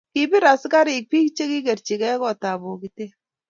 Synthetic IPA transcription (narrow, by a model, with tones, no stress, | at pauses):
ki˨bi˦ɾa˨ska˦ɾɪ˨k̚pi˦kt͡ʃe˦ki˦ke˨ɾt͡ʃi˨kɛ˦kɔ˦˨ta˨bo˨ki˨te˦